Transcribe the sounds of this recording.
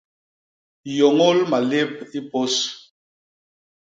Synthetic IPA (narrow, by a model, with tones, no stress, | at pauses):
jo˨ŋo˦lma˨le˦p̚i˦po˦s